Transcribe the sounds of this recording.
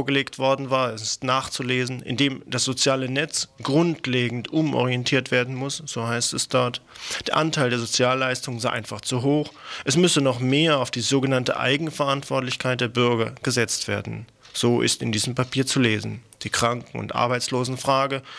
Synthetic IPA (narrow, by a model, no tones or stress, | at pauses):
fɐɡəleːktv̥ɔɐdn̩vaːɐɛsɪstnaːχt͡suleːzn̩ʔɪ̰ndeːmd̥asz̥ot͡sjaːlənɛt͡sɡ̥ʁʊntleːɡŋ̩tʔʊmʔɔ̰ʁijɛntʰiːɐtv̥eːɐdn̩mʊsz̥oːhaɪstɛsd̥ɔɐtd̥eːɐʔantʰaɪldeːɐzot͡sjaːlːaɪstʊŋənzaɪʔa̰ɪnfaχt͡suɦoːxʔɛsmʏsənɔχmeːɐaʊfd̥iːzoːɡənantə̰ʔa̰ɪɡŋ̩fɛɐʔantv̥ɔɐtlɪçkʰaɪt̚d̥eːɐbʏɐɡɐɡ̥əzɛt͡stv̥eːɐdn̩ | z̥oːʔɪ̰stɪndiːzəm̩pʰapʰiːɐt͡suleːzn̩d̥iːkʁ̥aŋkŋ̩ʊ̰ntʔa̰ɐbaɪt͡sloːzn̩fʁ̥aːɡə